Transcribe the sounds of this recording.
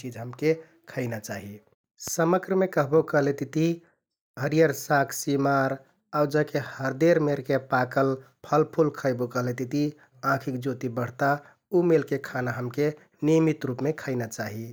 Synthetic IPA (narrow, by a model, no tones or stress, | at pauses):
id͡ʒɦəmke | kʰəɪnat͡ʃaɦi | səməɡɾəmekəɦbokəɦlet̪it̪i | ɦəɾijəɾsakʰsimaɾ | awd͡ʒəkehəɾd̪eɾmeɾkepakəl | pʰəlpʰulkʰəɪbokəɦlet̪it̪i | ãkʰikd͡ʒot̪ibəɽ̤t̪a | umelkekʰanaɦəmke | nimit̪ɾupmekʰəɪnat͡ʃaɦi